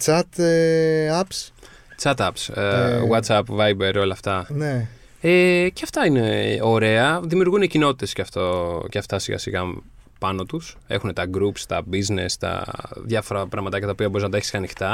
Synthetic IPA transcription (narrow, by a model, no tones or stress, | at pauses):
t͡sɐt̪ | ɐps | t͡sɐt̪ɐpswɐt̪sɐpvɐjbeɾio̞lɐːft̪ɐne | eceɐft̪ɐine̞o̞ɾe̞ɐðimiuɾɣunecino̞t̪it̪e̞sceɐft̪oceɐft̪ɐsiɣɐ̰siɣɐ | pɐno̞t̪use̞̰xune̞t̪ɐɡɾupst̪ɐbizne̞st̪ɐ̰ðjɐfo̞ɾɐpɾɐɣmɐt̪ɐcɐt̪ɐopiɐbo̞ɾiznɐt̪ɐeçi̥sɐnixt̪ɐ